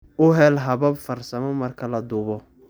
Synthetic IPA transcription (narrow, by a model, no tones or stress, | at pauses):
ʊɦɛlɦɐβɐbfɐrsɐmɔmɐrkʰɐlɐd̪ʊβɔ